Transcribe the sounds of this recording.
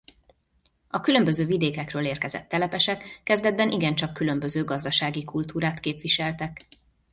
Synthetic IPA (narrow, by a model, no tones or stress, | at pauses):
ɒkylø̞mbøzøːvid̪eːkɛkrøːleːrkɛzɛ̰t̪ːɛlɛpɛʃɛkːɛzd̪ɛd̪̚bɛnʔiɡɛnt͡ʃɒkːylø̞mbø̞zøːɡɒzd̪ɒʃaːɡikult̪uːɾaːt̪keːpʋiʃɛlt̪ɛk